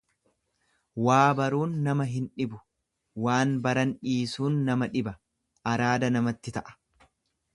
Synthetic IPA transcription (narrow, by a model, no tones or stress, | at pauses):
waːbɐɾuːnːɐmɐɦɪnᶑɪbʊ̥ | waːnbɐɾɐnᶑiːsuːnːɐmɐᶑɪbɐ | ʔɐɾaːd̪ɐnɐmɐt̪ːɪt̪ɐʔɐ̥